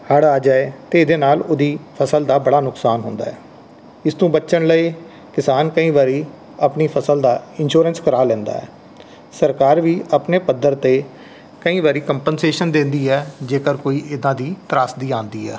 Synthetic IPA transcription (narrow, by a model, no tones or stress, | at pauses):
həɽaːd͡ʒaːet̪eːd̪eːnaːlʊd̪iːpʰəsəld̪aːbəɽaːnʊksaːnɦʊnd̪a̰ːɛ̰ː | ɪst̪õːbətːʃənləiː | kɪsaːnkəĩːʋaːɾiː | əpniːpʰəsəld̪aːɪnʃuːɾənskəɾaːlɛ̃ːnd̪a̰ːɛ̰ː | səɾkaːɾʋiːəpneːpəd̪əɾt̪eː | kəĩːʋaːɾiːkəmpənseːʃənd̪ẽːnd̪iːɛːd͡ʒeːkəɾkoːiːʔɪd̪ãːd̪iːt̪əɾaːsd̪iːãːnd̪iːɛː